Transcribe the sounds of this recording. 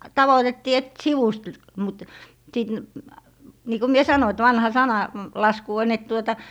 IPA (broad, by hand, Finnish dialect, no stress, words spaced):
tɑʋotetːiː et siʋust l mut sit niː ko mie sɑno et ʋɑnhɑ sɑnɑ lɑsku on et tuotɑ